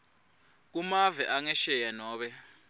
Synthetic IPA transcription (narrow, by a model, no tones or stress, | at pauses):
k̬umavɛʔaŋɛʃɛjanɔːɓɛ